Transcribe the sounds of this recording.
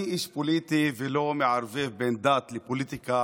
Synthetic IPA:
ʔiːʃpoliːt̪ivɪloːmɪʕaɾˤveːfbeːnd̪aːt̪lɪpoliːt̪ɪka

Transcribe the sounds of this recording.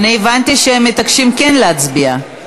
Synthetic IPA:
niːvant̪iʃehemːet̪akʃimkenlehat͡sbia

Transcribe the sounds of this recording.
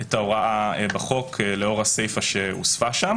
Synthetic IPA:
etaoʁaʔabaχo̞kʰleo̞ʁase̞jfaʃe̞ṵsfaʃam

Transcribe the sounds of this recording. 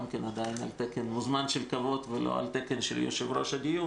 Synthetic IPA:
mkenad̪aina̰lt̪ekenmuzmanʃelkavo̞t̪velʔo̰a̰lt̪ekenʃḛljo̰ʃevɾoʃaɡiu

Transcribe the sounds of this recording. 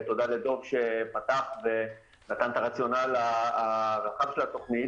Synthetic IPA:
t̪o̞dale̞d̪o̞vʃepat̪aχve̞ | nat̪ant̪aʁat͡sjo̞nalaaʁaχav̥ʃe̞lat̪o̞χnit

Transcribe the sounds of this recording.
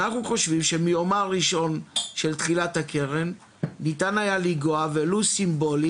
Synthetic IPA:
naχnuχo̞ʃvimʃe̞mijo̞maʁiʃo̞nʃe̞lt̪χilathake̞ʁe̞nː | itanajaliɡoavelusimbo̞li

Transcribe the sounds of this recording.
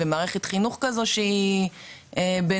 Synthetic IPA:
emaːʁeχet̪χinuχkazo̞ʃei | ebe

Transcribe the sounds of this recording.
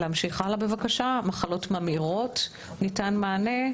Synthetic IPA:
leamʃiχalabe̞vakaʃamaχalo̞tmamiʁo̞t | nitanmaːne̞

